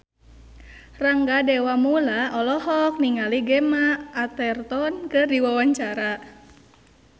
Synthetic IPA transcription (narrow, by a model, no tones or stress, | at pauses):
raŋɡadɛwamulaɔlɔɦɔk̚niŋaliɡɛmaːt̪ɛrt̪ɔnkɨrdiwawaɲt͡ʃaɾa